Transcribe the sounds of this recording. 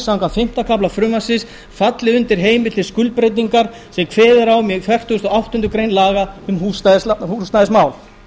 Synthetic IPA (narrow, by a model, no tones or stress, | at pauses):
sawŋkafɪm̥t̪akʰaplafɾʏmasɪs | fat̪lɪʏnt̪ɪɾ̥ɦeːjmɪt̪ɪskʏlpɾejt̪iŋkaɾ | sɛmkʰvɛːðɪɾawmjɛkfɛr̥t̪uʏst̪ɔawht̪ʏnt̪ʏkɾejnlaːɣaʏmhuːsðɪshusnaðɪsmaːwl